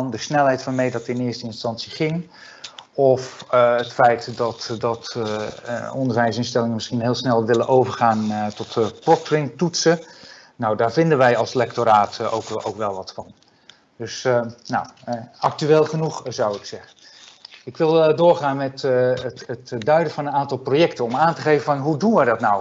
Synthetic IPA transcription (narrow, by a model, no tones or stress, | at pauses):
ndəsnɛlˠɦɛjtfɔnmɛjdɑtəɪnɪːɹstəɪnstɑnsiχɪŋ | ɔfətfɛjtdɑtdɑt | ɔndəɹʋɛjs̬ɪnstɛlɪŋənmɪsχinɦeːlˠsnɛlˠʋɪlənʔowvəɹχaːntɔtpɔtɹɪŋtutsə | nawdaːɹvɪndənʋɛjɑlˠslɛk̚toɾaːto̰wko̰wkʋɛlˠʋɑtfɑn | d̥ɵsnawɑk̚tyeːlˠχənuχzɑwɪksɛχən | ɪkʋɪlˠdʊːɹχaːnmɛt | ətdœɥdəvɑnənaːntɑlˠprojɛktənɔmaːntəχejvəfɑnɦudunʋɛjdɑtnaw